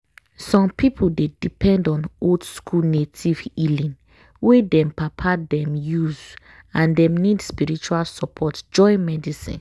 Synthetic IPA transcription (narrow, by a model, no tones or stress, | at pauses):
sɔ̃mpipʰudedipʰɛ̃ndɔ̃nodskʰulnetʰivilĩn | wedɛ̃mpapʰadɛ̃mjuz | ãndɛ̃mnidspiɹit͡ʃualsɔpʰɔtd͡ʒɔɪmɛdisḭ̃n